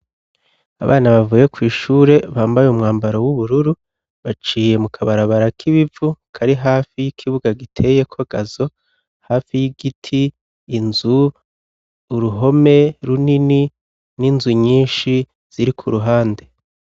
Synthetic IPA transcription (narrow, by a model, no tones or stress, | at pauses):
a̰βaːnaβavuje̞kwiːʃuːɾe̞βaːmbajumŋaːmbaɾo̞wuβuɾuɾu | βat͡ʃiːje̞mukʰaβaɾaβaɾakʰiβivukʰaɾiɦaːfijikʰiβuɡaɡitʰe̞je̞kʰoɡ̥azo̞ | haːfijiɡitʰiː | nzu | ɾuɦo̞me̞ɾunini | ninzuɲiːnʃi | z̥iɾikʰuɾuɦaːnde̞